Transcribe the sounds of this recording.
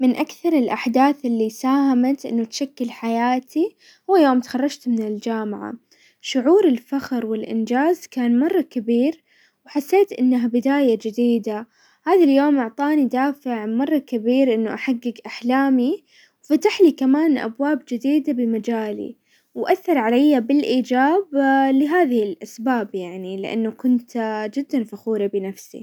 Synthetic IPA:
mɪnʔakθɑɾˤɪlʔaħd̪aːθʔɪlːisaːhamat̪ʔɪ̰nːʊt̪ʃakːɪlħajaːt̪ʰi | hʊwːajoːmt̪xɑrˤːɑd͡ʒt̪mɪnɪld͡ʒaːmaʕa̰ | ʃʊʕuːɾɪlfaxɾwɪlʔɪ̰nd͡ʒaːzkaːnmɑrˤːɑkabiːɾ | wħasːeːt̪ʔɪnːaɦabɪd̪aːjad͡ʒɪd̪iːd̪a | haːðaljoːmʔɑʕt̪ˤɑːnid̪aːfɪʕmɑrˤːɑkabiːɾʔɪnːʊʔaħaɡːɪɡʔaħlaːmi | wfat̪aħlikamaːnʔa̰bwaːbd͡ʒɪd̪iːd̪abɪmad͡ʒaːlḭ | wʔaθːɑɾˤʕalajːabɪlʔiːd͡ʒaːblɪɦaːðɪhɪlʔasbaːbjaʕnilɪ̰ʔa̰nːʊkʊnt̪d͡ʒɪd̪ːanfaxuːɾabɪnafsḭ

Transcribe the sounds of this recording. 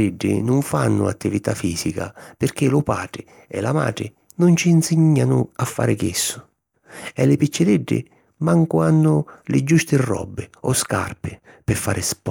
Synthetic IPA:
ɪɖːɪ̰nʊɱfanːʊ̰at̪ːivit̪afiːsika̰pɪrk̟ɪlʊpa̰ːʈɾɪ | ɛlama̰ːʈ̪ɾɪ | nʊnt͡ʃiːnsiɲːanʊafːa̰ːɾɪkesːʊ̥ | ɛlɪpit͡ʃːɪɾɪɖːɪ̰ | maŋkʊanːʊlɪd͡ʒːust̪ɪrːɔ̰bːɪɔska̰rpɪ | pɪfːaːɾʔɪsp

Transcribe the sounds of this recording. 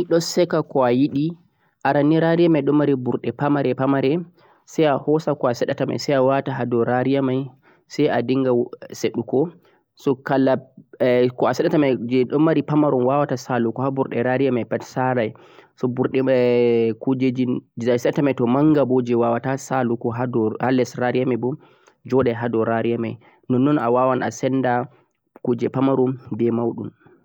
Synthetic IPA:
niɗɔsɛkakɔajiɗi | ʔaɾanːiɾaɾijamajɗɔmːaɾibuɾɗɛpamaɾɛpamaɾɛ | sajahɔsakɔasɛɗatama̰jsajawataɦadɔɾaɾijamaj | sajadiŋɡaseɗukɔ | sɔkala | kɔasɛɗatamajd͡ʒɛɗɔmːaɾipamaɾɔnwawatasalukɔhabuɾɗɛɾaɾijamajpatsaɾaj | sɔbuɾɗɛ | kud͡ʒed͡ʒid͡ʒsajsɛɗatamajtɔmaŋɡabod͡ʒɛwawatasalukɔɦadɔhalɛsɾaɾijamajbu | d͡ʒɔɗɛɦadɔɾaɾiamaj | nɔnːɔna̰wawana̰sɛnda | kud͡ʒɛpamaɾumbɛmawɗṵm

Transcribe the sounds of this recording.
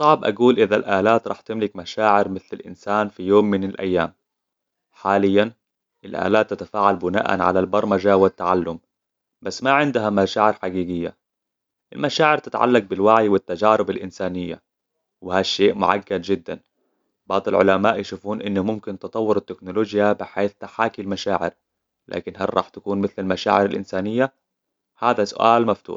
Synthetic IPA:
sˤɑʕbʔa̰ɡuːlʔɪðalʔaːlaːt̪ɾˤɑːħt̪ɪmlɪkmaʃaːʕɪɾmɪθlɪlʔɪ̰nsaːnfijoːmːɪnɪlʔa̰jːaːm | ħaːlɪjːan | ʔɪlʔa̰ːlaːt̪ːat̪afaːʕalbʊna̰ːʔa̰nʕa̰lalbɑɾˤmad͡ʒawɪt̪ːaʕalːʊm | basːmaʕɪnd̪ɦamaʃaːʕɪɾħaɡiːɡɪjːa̰ | ʔɪ̰lmaʃaːʕɪɾt̪ɪt̪ʕa̰lːaq̚bɪlwaʕjwɪt̪ːad͡ʒaːɾɪbɪlʔɪnsaːnɪjːa̰ | wɪhaʃːeːʔmʊʕa̰ɡːad̪d͡ʒɪd̪ːa̰n | bɑʕd̪ˤɪlʕʊ̰lamaːʔjɪʃuːfuːnʔɪnːʊmʊmkɪnt̪ɨt̪ˤɑwːʊɾɪt̪ːɪknʊloːd͡ʒjabɪħeːθt̪aħaːkilmaʃaːʕɪ̰ɾ | la̰ːkɪnɦarɾˤɑ̰ːħt̪ḁkuːnmɪθlɪlmaʃa̰ːʕɪɾɪlʔɪ̰nsaːnɪjːa | haːðasʊ̰ʔaːlmaft̪ṵːħ

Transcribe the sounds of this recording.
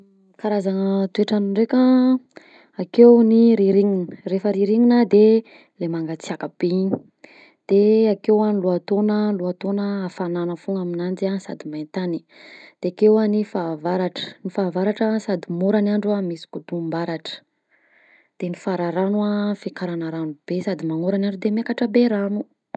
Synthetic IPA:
kaɾazanət̪ueʈ͡ʂanɳɖ͡ʐeka | akewniɾiɾiŋinə̥refəɾiɾiŋinəd̪e | lemaŋɡat͡siakəb̥eini̥ | d̪̥eakewanluat̪onəluat̪onəafananəfuŋaminand͡ziansa̰d̪imajnt̪ani̥ | d̪̥eakewanifaːvaɾaʈ͡ʂə̥nifaːvaɾaʈ͡ʂəsad̪imoɾanaɳɖ͡ʐamisi̥kud̪umbaɾaʈ͡ʂə̥ | d̪̥enifaɾaɾanuafikaɾanəɾanub̥esad̪imaŋoɾanaɳɖ͡ʐud̪emekaʈ͡ʂəbeɾanu

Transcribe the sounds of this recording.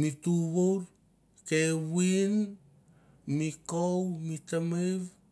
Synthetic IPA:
mituɣowɾ | kewin | mikowmitamejβ

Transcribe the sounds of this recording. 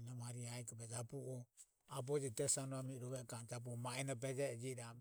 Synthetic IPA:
namaɾiaikɔbɛd͡ʒabuʔɔ | abɔd͡ʒitɛsanɔamiɾɔβɛkand͡ʒab̬uɔmaɛnabɛd͡ʒɛd͡ʒiɾa

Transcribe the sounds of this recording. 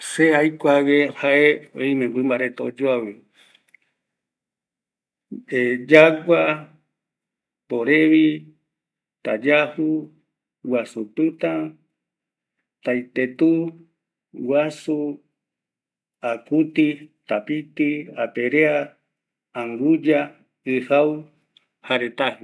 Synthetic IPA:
seajkʷawehaʔeojmẽbʷɨmbaɾet̪od͡ʒoaβɨ | ed͡ʒaɡʷa | poɾeβi | t̪ad͡ʒahu | wasupɨt̪ã | t̪ajt̪et̪u | wasu | akut̪it̪apit̪iapeɾeãː | ŋɾud͡ʒa | ɨhaw | haɾet̪ahi

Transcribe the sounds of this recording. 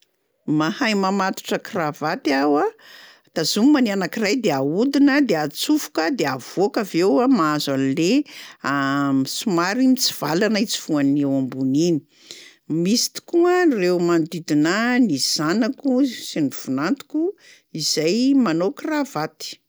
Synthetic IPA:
mahajmamat̪u̥ʈ͡ʂəkravat̪awa | t̪azumimanianakirajd̪eaud̪inəd̪eat͡sufu̥kəd̪eav̥okavewamaazanileamisumaɾimit͡si̥v̥alanəit͡si̥v̥uanewambunini̥ | misi̥t̪i̥kuərewmand̪id̪inaniz̥anakusinifunant̪u̥ku | iz̥ajmanokravat̪i̥

